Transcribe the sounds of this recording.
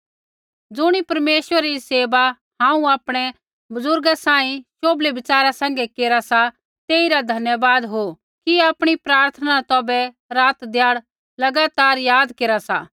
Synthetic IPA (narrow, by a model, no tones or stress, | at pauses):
d͡zʊɽ̃ipɐɾmeːsʋəɾiseːba | hãːũaːpɽ̃ɛ | bʊzʊɾɡasaːĩʃoːblebɪt͡saːɾasãːŋ̆ɡekeːɾasa | t̪eːiɾad̪ʱɐnjəʋaːd̪ɦo | kiaːpɽ̃ipɾaːɾt̪ʰənat̪ɔːbɛ | ɾaːt̪d̪ʱjaːɽ | lɐɡaːt̪aːɾjaːd̪keːɾasa̰